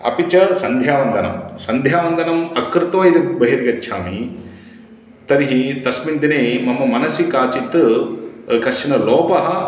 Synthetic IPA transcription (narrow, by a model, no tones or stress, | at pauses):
ɐ̰pit͡ʃɐsɐnd̪ʱjaːʋɐnd̪ʱɐnɐ̰msɐnd̪ʱjaːʋɐnd̪ʱɐnɐmɐkɾɪt̪ʋɐjid̪ibɐɦiɾɡɐtːʃʰa̰ːmi | t̪ɐɾiɦit̪ɐsmind̪ineːmɐmːɐmɐnɐsikaːt͡ʃit̪ɨ | kɐʂɐnɐlɔːpɐɦɐ̆